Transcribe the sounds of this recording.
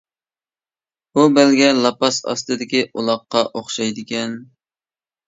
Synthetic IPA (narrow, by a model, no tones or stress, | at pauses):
ubɛlɡʲɛlˠɑpɑsɑ̰st̪ɨd̪ɪkʲiʔulˠɑqːɑʔoχʃɑjd̪ɪkʲɛn